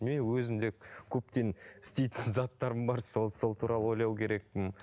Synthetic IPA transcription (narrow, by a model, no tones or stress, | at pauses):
menwɵzɪmd̪e̞kʲʰɵp̚t̪e̞nɪ̥st̪e̞jt̪ɪnzɑt̪ːɑɾəmbɑɾsolˠso̞lˠt̪ʰuɾɑlˠəo̞jlˠɑwkʲʰe̞ɾe̞k̚pɪm